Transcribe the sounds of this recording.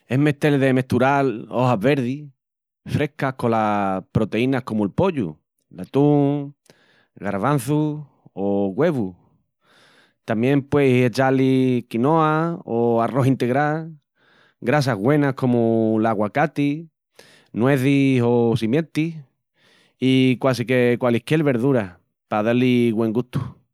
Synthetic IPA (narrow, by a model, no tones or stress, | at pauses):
e̞meht̪e̞lðe̞me̞ht̪uɾalo̞ɦaβe̞ɾði | fɾe̞hkako̞lapɾo̞t̪e̞inahko̞muelpo̞ʎṵ | lat̪uŋ | ɣaɾβan̟θu | oɣwe̞βu | t̪amjẽ̞mpwejse̞t͡ʃalikinoaoaro̞ɦint̪e̞ɣɾal | ɡɾas̬aɦɣwe̞nahko̞mulaɣwakat̪i | nwe̞θiso̞simje̞nt̪i | ikwasikekwalihkelβe̞ɾðuɾa | paðaliɣwe̞ŋɡuht̪u̥